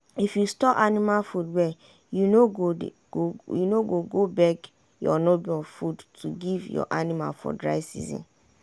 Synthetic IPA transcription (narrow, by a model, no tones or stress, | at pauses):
ifjustɔʔanimalfudwɛ | junoɡo | ojunoɡoɡobɛk | jɔnobiɔfudtʰuɡivjɔ̰ʔanĩma̰lfɔ̰dɹa̰ɪsḭzḭ̃n